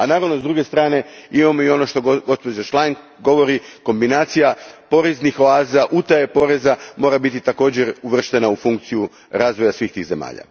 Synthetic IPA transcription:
anaːɾaʋnozd̪ɾuɡe̞st̪ɾaːne̞imamo̞io̞no̞ʃt̪o̞ɡo̞spo̞d͡ʑaʃlˠanŋk | ɡo̞ʋo̞ɾiko̞mbinaːt̪sijapo̞ɾeznixo̞aːzaʔut̪ajepo̞ɾe̞zamo̞ːɾabit̪it̪ako̞ːd͡ʑe̞ɾuʋr̩ʃt̪e̞naufuŋk̚t̪siju | ɾaːzʋo̞jasʋiːxt̪iːɣze̞ma̰ːʎa̰

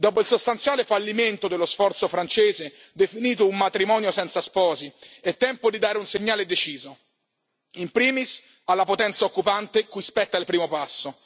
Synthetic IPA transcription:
d̪ɔːpoilsost̪ant̪sjaːlefalːiment̪od̪elːosfɔrt̪sofɾant͡ʃeːzed̪efiniːt̪̬oumːat̪ɾimɔːnjosɛnt̪saspɔːziɛt̪ːɛmpod̪id̪aːɾeunseɲːaːled̪et͡ʃiːzo | impɾiːmis | alːapot̪ɛnt̪saokːupant̪ekujspɛt̪ːailpɾiːmopasːo

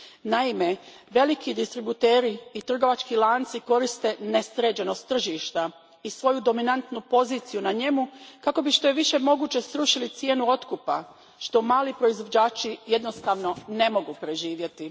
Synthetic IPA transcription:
naime̞ | ʋe̞likid̪ist̪ɾibut̪eːɾiːt̪r̩ɡo̞ʋat͡ʃkilˠaːnt̪siko̞ɾist̪e̞ne̞sɾe̞ːd͡ʑeno̞st̪ːr̩ʒiːʃt̪a | isʋo̞jud̪o̞minant̪nupo̞ziːt̪sijunaɲe̞mukako̞biʃt̪o̞je̞ʋiʃe̞mo̞ɡuːt͡ɕe̞sɾuʃilit̪sje̞ːnuo̞t̪kupa̰ | ʃt̪o̞maːlipɾo̞izʋo̞d͡ʑaːt͡ʃije̞d̪no̞st̪aʋno̞ne̞mo̞ɡupɾe̞ʒiːʋje̞t̪i

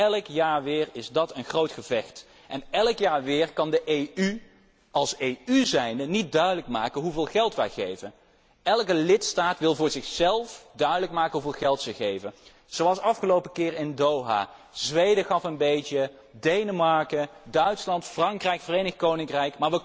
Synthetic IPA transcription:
ɛləkjaːɹʋɪːrɪzdɑtənχrowtχəvɛxt | ʔɛnɛləkjaːɹʋɪːɹkɑndəʔejy | ɑlˠsejyzɛjndənit̚dœɥdələkmaːkənɦuvɪːlˠɣɛlˠtʋɛ̰jχejvən | ɛlˠkəlɪtstaːtʋɪlˠvʊːɹzɪxsɛlˠfdœɥdələkmaːkənɦuvɪːlˠχɛlˠtsəχejvən | z̥owɑlˠsɑfχəlowpəkɪːɹɪndowɦa̰ːz̥ʋejdəχɑfənbejtə | dejnəmɑɹkədœɥtslɑntfrɑŋkrɛjkfərejnəxkownɪŋkrɛjkmaːɹʋə

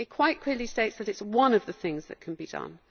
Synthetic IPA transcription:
ɨt̚kʰw̥aɪʔkʰl̥ɪəlisteɪtsðəɾɨtswʌ̃nəvðəθɪ̃ŋzðə̰ʔ̚kʰə̃nbidʌ̰̃n

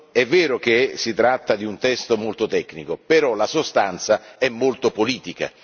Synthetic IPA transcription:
ɛvːɛːɾok̟esit̪ɾat̪ːad̪iunt̪ɛst̪omolt̪ot̪ɛkːnikopeɾɔlasost̪ant̪saɛmːolt̪opoliːt̪ika̰

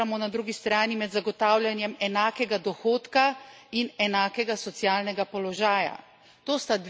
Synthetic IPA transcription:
amɔnad̪ɾuːɡist̪ɾaːnimɛd̪zaɡɔt̪aːwljanjɛmɛnaːkɛɡad̪ɔxoːt̪kainɛnaːkɛɡasɔt̪sjaːlnɛɡapɔlɔʒaːja̰ | t̪oːst̪ad̪

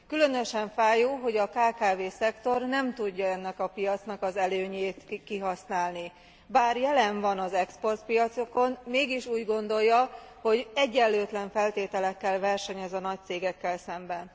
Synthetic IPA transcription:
kylø̞nø̞ʃɛɱfaːjuɦo̞ɟɒkaːkaːveːsɛkt̪o̞rnɛmt̪uɟːɒɛnːɛkɒpijɒt̪snɒkɒzɛløːɲeːt̪kiɦɒsnaːlni | baːrjɛlɛɱvɒnɒzɛkspo̞rt̪pijɒt̪soko̞nmeːɡiʃuːɟɡo̞nd̪o̞jːɒho̞ɟɛɟːɛlːøːt̪lɛɱfɛlt̪eːt̪ɛlɛkːɛlvɛrʃɛɲɛzɒnɒc̚t̪seːɡɛkːɛlsɛmbɛn

